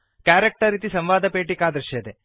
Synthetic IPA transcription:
kaːɾek̚ʈɐɾit̪isɐmʋaːd̪ʱɐpeːʈikaːd̪ɾɐʃɐd̪e

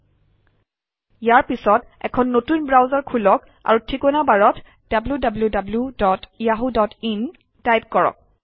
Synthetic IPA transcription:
jaɹpisɔtɛ̰kʰɔnːotunbɹawzaɹkʰulɔk | a̰ɹutʰikɔnabaɹɔt | d̥abljudabljudabludɔtijaɦudɔtin | tajp̚kɔɹɔ̰k̚

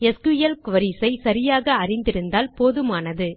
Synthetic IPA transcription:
ɛskʊjɐlkʊʋɐɾisɐɪsɐɾɪjaːɣɐɐrɪnd̪ɪɾɯnd̪aːlpoːðɯmaːnɐðɯ

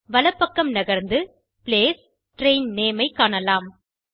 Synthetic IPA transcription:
ʋɐlɐpːɐkːɐmnɐɣɐɾnd̪ɯ | pɪleːs | ʈɾeɪnneːmɐɪkːaːɳɐlaːm

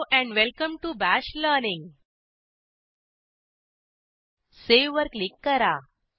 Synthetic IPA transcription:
ʔɛ̃ɳɖʋɛlkə̃mʈubæɕləɾnĩŋɡ | seʋʋəɾklikːəɾa

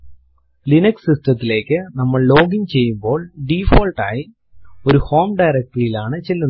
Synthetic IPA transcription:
lɪnɐksɪsʈɐt̪ːɪleːkːɯnɐmːɐɭloːɣɪɲt͡ɕɛjːɯmboːɭɖiːfoːlʈa̰ːj | ɔɾɯhoːmɖɐɪɾɐk̚ʈɐɪlaːnɐt͡ɕɛlːɯn

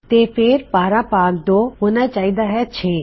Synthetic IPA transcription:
t̪eːpʰeɾpaːɾapaːkd̪oɦʊnət͡ɕaːid̪aɦɛt͡ʃʰeː

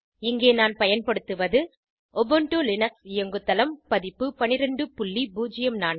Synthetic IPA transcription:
ɪŋɡeːnaːnpɐjɐnpɐɽɯt̪ːɯʋɐðɯ | ɔbɔɳʈolɪnɐksɪjɐŋɡɯt̪ːɐlɐmpɐðɪpːɯpɐnɪɾɐɳɖɯpʊɭːibuːd͡ʒɪjɐmnaːn

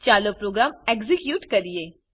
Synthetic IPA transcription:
t͡ʃaːlopɾoːɡɾaːmekzikjuːʈkɐɾieː

